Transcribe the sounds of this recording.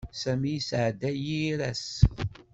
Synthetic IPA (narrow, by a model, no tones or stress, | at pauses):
sæmijsʕd̪æjiɾæs